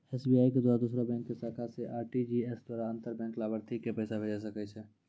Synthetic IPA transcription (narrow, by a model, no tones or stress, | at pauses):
ɛsbiaːiked̪wad̪usɾabɛ̃ːŋkːesakʰaseʔaːɾʈid͡ʒiesd̪waːɾaə̃nt̪əɾbɛ̃ːŋklaːbəɾt̪ʰikepɛːsabʱed͡ʒas̬əkɛt͡ʃʰɛ